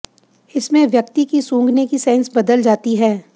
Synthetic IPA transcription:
ɪsmẽʋjɐk̚t̪ikisũːŋɡnekisɛ̃ːnsbɐd̪əld͡ʒaːt̪iɦɛː

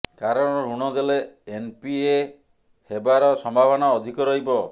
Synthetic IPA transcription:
kaɾɔɽ̃ɔɾuɽ̃ɔd̪eleempie | hebaɾɔsɔmbʱabʱɔnɔːd̪ʱikɔɾɔɦibɔ

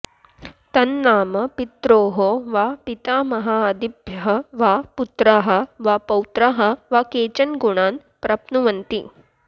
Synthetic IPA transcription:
t̪ɐnːaːmɐpit̪ɾoːɦoʋaːpit̪aːmɐɦaːɐd̪ibʱjɐɦɐʋaːput̪ɾɐɦɐ̆ʋaːpɐwt̪ɾɐɦɐ̆ʋakeːt͡ʃɐnɡuɳaːn | pɾɐpnuʋɐnt̪i

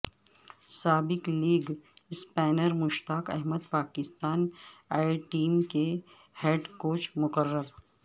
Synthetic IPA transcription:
saːbɪkliːɡɪspɛːnəɾmʊʃt̪aːkɛ̰ɦməd̪paːkɪst̪aːnaːɪʈiːmke | heːɖkoːt͡ʃmʊkəɾːəɾ

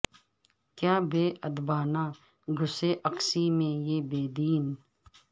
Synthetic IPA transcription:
kjaːbeːʔəd̪baːnaː | ɡʱʊseʔɐqsimẽjeːbeːd̪iːn

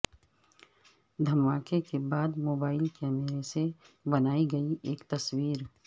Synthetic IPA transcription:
d̪ʱɐmaːkekebaːd̪moːbaːɪlkɛːmeɾese | bɐnaːiɡɐiʔeːkt̪ɐswiːɾ

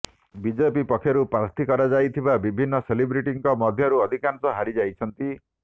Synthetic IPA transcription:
bid͡ʒepipɔkʰːjɔɾupɾaɾt̪ʰikɔɾad͡ʒajt̪ʰibabibʱinːɔselibɾiʈiŋkɔmɔd̪ʱjɔɾuɔd̪ʱikansɔɦaɾid͡ʒajt͡ʃʰɔnt̪i

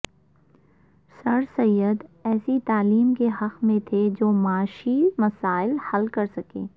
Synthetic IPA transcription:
sɐɾsɐjːəd̪ɛːsit̪aːliːmkeɦɐqmẽt̪ʰed͡ʒoːmaːʃimɐsaːɪlhɐlkɐɾsɐkḛ̃ː

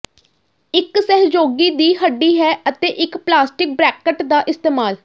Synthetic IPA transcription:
ɪksəɦd͡ʒoːɡiːd̪iːɦəɖːiːɦɛːət̪eːʔɪkplaːsʈɪk̚bɾɛːkəʈd̪aːʔɪst̪eːmaːl

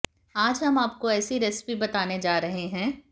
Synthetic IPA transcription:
aːd͡ʒɦɐmaːp̚koɛːsiɾɛspibɐt̪aːned͡ʒaːɾɐɦeɦɛ̃ː

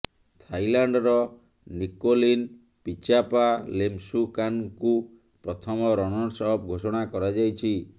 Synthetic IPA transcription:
t̪ʰajlaɳɖɔɾɔ | nikolin | pit͡ʃapalemsukanku | pɾɔt̪ʰɔmɔɾɔnɔɽsɔɦɔp̚ɡʱosɔɽ̃akɔɾad͡ʒajt͡ʃʰi

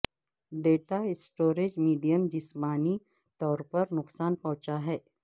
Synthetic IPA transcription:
ɖeːʈaɪsʈoːɾed͡ʒmiːɖijəmd͡ʒɪsmaːni | t̪ɔːɾpɐɾnʊqsaːnpɔ̃ɦʊ̃t͡ʃaɦɛː

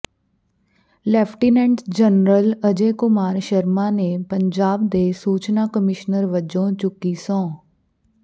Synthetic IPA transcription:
lɛːpʰʈiːnɛ̃ːɳɖsd͡ʒənɾələd͡ʒeːkʊmaːɾʃəɾmãːneːpəɲd͡ʒaːbd̪eːsuːt͡ʃnaːkəmɪʃnəɾʋəd͡ʒõːt͡ʃʊkːiːsõː

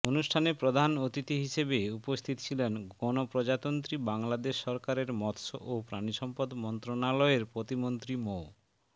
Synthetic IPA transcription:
onuʃʈʰanepɾod̪ʱanot̪it̪iɦiʃebeupost̪ʰit̪t͡ɕʰilenɡɔnopɾod͡ʑat̪ont̪ɾibaŋlad̪eʃːɔɾkaɾeɾmɔt̪ʃo̰ʔopɾaniʃɔmpod̪mɔnt̪ɾonalɔeɾpɾot̪imont̪ɾimo

